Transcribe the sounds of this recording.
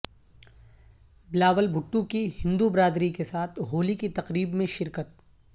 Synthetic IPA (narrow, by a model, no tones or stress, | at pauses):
bɪlaːʋəlbʱʊʈːukihɪ̃nd̪ubɾaːd̪ɾikesaːt̪ʰɦoːlikit̪ɐqɾiːbmẽʃɪɾkət̪̚